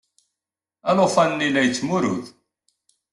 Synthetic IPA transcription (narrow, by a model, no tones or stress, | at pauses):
ælofænnːilæjət͡sːmuɾʊ̰ð